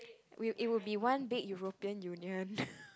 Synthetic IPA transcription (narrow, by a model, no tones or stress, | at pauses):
wiʔit̚wilbiwãnbɪɡ̚juɹopiə̃njuniə̃n